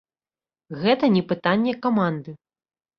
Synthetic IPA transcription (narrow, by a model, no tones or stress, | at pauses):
ɣɛt̪ɐnʲɛpɨt̪anʲːɛkamand̪ɨ